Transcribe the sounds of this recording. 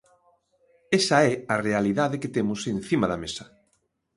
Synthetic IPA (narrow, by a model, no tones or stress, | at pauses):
esɐɛɐrealiðaðɪket̪emʊsenθimɐðɐmesɐ